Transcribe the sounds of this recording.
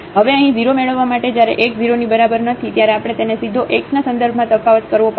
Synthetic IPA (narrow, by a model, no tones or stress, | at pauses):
ɦəʋeəɦĩd͡ʒiɾomeɭəʋːamaʈed͡ʒjaɾḛʔek̚d͡ʒiɾonibəɾabəɾnət̪ʰit̪jaɾeapɽ̃et̪enesid̪ʱoʔeksnasə̃nd̪əɾbʱmãt̪əfaʋət̪kəɾʋopə